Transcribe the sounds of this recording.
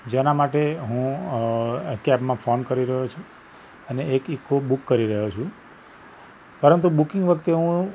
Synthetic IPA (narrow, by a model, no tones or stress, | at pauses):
d͡ʒenamaʈeɦũ | kɛbmãfonkəɾiɾəɦot͡ʃʰũ | əneːkikːobukːəɾiɾəɦot͡ʃʰũ | pəɾənt̪̬ubukɪ̃ŋɡʋəkʰt̪eɦũ